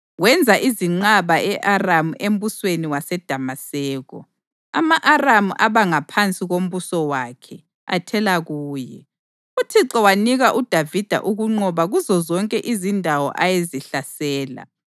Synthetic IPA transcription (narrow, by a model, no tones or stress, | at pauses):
wɛnd͡zʱaʔiziŋ͡ǀaβaɛʔaramuem̩busweniwasɛd̥ʱamasɛːɣɔ̰ | amaʔaramuʔaβaŋapʰant͡sʼiɣom̩βusɔwakʰɛ | a̰tʰɛlaɣuːjɛ | utʰiǁɔwaniɣaʔud̥ʱavid̥ʱa̰ʔuɣuŋ͡ǃɔβaɣuzɔzɔŋkʼɛʔizindʱawɔ̰ʔajeziɬasɛːla̰